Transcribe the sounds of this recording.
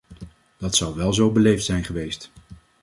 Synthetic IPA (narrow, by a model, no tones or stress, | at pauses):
d̥ɑtsɑwʋɛlˠzowbəlejftsɛjnχəʋejst